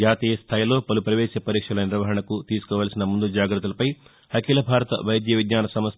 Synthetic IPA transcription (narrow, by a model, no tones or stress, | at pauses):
aːt̪iːjɐst̪ʰaːjilo̞ːpɐlupɾɐʋɛːʃɐpɐɾiːkʂɐlɐniɾʋɐɦɐɳɐkut̪iːsu̥kɔːʋalɐsinɐmund̪ud͡ʒaːɡɾɐt̪ːulɐpɐj | ɐkiːlɐbʱaːɾɐt̪ɐ̰ʋɐjɐd̪jɐʋid̪ɲaːnɐsɐmɐs